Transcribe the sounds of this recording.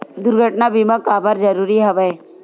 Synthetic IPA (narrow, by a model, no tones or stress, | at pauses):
d̪ʊɾɡʱəʈnabimakabəɾd͡ʒɐɾuːɾiɦɐʋə